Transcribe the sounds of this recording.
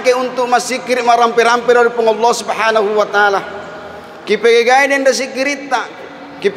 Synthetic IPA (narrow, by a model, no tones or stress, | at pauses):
keunt̪uʔmasikːiɾiʔmaɾampɛɾampɛɾaɾipɔŋalːɔsubhanahuwat̪aala | kipeɡeɡaidɛndas̬ikiɾit̪ːa | kip